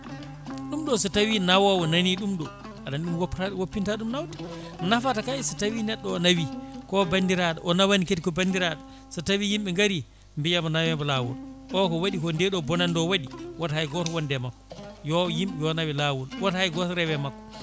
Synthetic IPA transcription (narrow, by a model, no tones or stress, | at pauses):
ɗumɗɔsɔtawinawawɔnaniɗumɗɔ | aɗanɗumwopːtawopːintaɗumnawti̥nafatakaisɔtawinɛɗːɔːnawikɔbandiɾaɗa̰ʔɔnawaniketikɔbandiɾaɗa | sɔtawijimɓɛŋɡaɾi | mbijamɔnawɛmbɔlawṵlʔɔkɔwaɗikɔndɛɗɔbɔnandɔwaɗiwathajɡɔtwɔndɛmakːjɔjimɓɛjɔnawɛlawulwathajɡɔsɾɛwɛmakːɔ̥